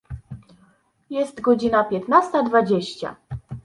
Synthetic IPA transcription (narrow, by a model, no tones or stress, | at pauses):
jɛst̪ɡɔd͡ʑinapʲjɛt̪nast̪ad̪vad͡ʑeɕt͡ɕa̰